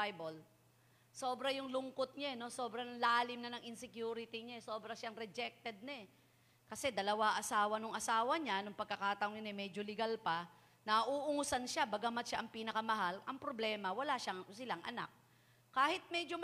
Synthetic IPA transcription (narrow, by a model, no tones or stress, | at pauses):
jbol | so̞ːbɾɐjʊŋlʊŋkot̪̚ɲaɛno̞so̞ːbɾɐnlaːlɪmnɐnɐŋʔɪnsɛkjuːɾɪt̪ɪɲaɛso̞ːbɾɐʃaŋɾɛd͡ʒɛk̚t̪ɛd̪̚nɛ | kɐsɛd̪ɐlɐwaʔɐsaːwɐnʊŋʔɐsaːwɐɲanʊŋpɐɡ̚kːɐkaːt̪ɐʔʊŋɐnɛmɛːd͡ʒolɪɡalpɐ | nɐʔuːʔʊŋʊsanʃabɐɡamat̪ʃaʔɐŋpiːnɐkɐmɐɦalʔɐŋpɾoblɛːmɐwɐlaʃasɪlaŋʔɐna̰k̚ː | aːhɪt̪̚mɛd͡ʒo